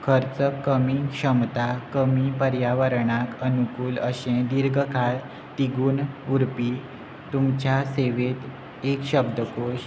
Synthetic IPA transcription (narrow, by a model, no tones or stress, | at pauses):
kʰəɾt͡səkːəmiːɕəmt̪akəmipəɾjaʋəɾɳakənukuːləɕẽd̪iɾɡʱəkʰaɭ | t̪iɡuːnuɾpi | t̪umt͡ɕjaseʋet̪ | ekɕəbd̪ʱəkoɕ